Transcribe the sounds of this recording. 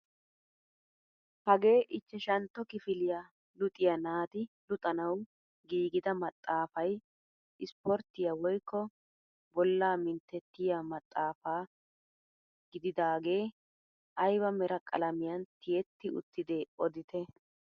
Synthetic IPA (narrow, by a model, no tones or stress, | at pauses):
hɐɡe̞ːʔɪt͡ʃːɛʃɐnt̪ːɔkɪfɪlɪja | lʊt̪ʼɪjɐnaːt̪ɪlʊt̪ʼɐnɐw | ɡiːɡɪd̪ɐmɐt̪ʼːaːfɐj | ʔɪspɔɾt̪ːɪjawɔjkʰːɔ | bɔlːaːmɪnt̪ːɛt̪ːɪjamɐt̪ʼːaːfaː | ɡɪd̪ɪd̪aːɡe̞ː | ʔɐjbɐmɛɾɐkʼɐ̰lɐmɪjɐnt̪ɪjɛt̪ːɪʊ̰t̪ːɪd̪eːɔd̪ɪt̪ʰɛ